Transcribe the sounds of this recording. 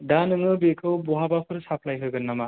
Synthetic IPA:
danɯŋɯbekʰɯwbɔɦabapʰɯɾsapʰlajɦɯɡɯnːama

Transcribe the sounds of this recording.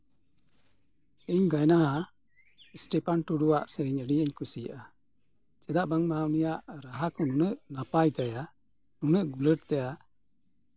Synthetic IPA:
iɲɡajnaɦa | ɛsʈɛpanʈuɽuwaʔsɛɾiɲəɽiəɲkusijəʔa | t͡ʃɛd̪aʔbaŋmamijaʔɾaɦakɔnunəʔnapajt̪aja | nunəʔɡuləʈt̪ɛja

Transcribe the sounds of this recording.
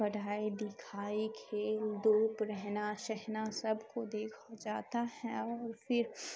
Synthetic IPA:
ɐɽʱaːid̪ɪkʰaːikʰeld̪oːpɾɛɦnaʃɛɦnasɐbʱkod̪eːkʰad͡ʒaːt̪ahɛ̃ɔːɾfɪɾ

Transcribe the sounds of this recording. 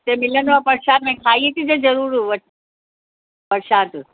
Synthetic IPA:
t̪emɪlənʋaːpɐɾʃaːt̪mẽkʰaːiit̪ʰid͡ʑezɐɾuːɾʋɐʈ | pɐɾʃaːt̪

